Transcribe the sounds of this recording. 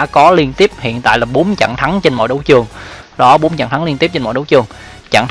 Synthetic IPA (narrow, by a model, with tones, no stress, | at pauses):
a̰ː˧˥kɔ˨˦li˧ənt̪i˦˥əp̚hḭ˧˨ənt̪a̰ː˧˨jlaː˨˩ɓo˨˦nt͡ɕa̰˧˨ŋt̪ʰa˨˦ŋt͡ɕe˧nmɔ̰˧˨jɗə˨˦wt͡ɕɨ˨˩əŋɗɔ˨˦ɓo˨˦nt͡ɕa̰˧˨nt̪ʰa˨˦ŋli˧nt̪i˦˥p̚t͡ɕe˧nmɔ̰˧˨ɗə˨˦wt͡ɕɨ˨˩əŋ | t͡ɕa̰˧˨ŋt